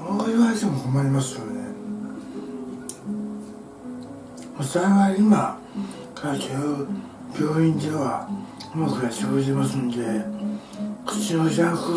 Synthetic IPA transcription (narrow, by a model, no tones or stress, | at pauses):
moːiβaet̪emokomaɾʲimasɨjo̞ne̞̰ | mosaeŋaima | kʰaɾakʲʰiaɯ | bʲo̞ːĩnt̪eβa̰imakɯɾaɕihoːʑit̪emasɨnd̪e̞ | kɯ̟̥t͡ɕinoʑãkɯ